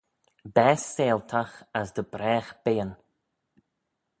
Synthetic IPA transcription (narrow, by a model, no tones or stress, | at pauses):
bɛːsːeːlt̪ʰaxazd̪əbɾɛːxb̥eːən